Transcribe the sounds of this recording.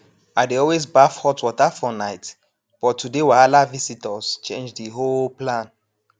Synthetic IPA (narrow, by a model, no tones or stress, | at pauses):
adeɔlwesbafhɔtʰwɔtafɔnajt | b̥ɔtʰːudewaalavisitəst͡ʃḛ̃nd͡ʒdiɦolplãn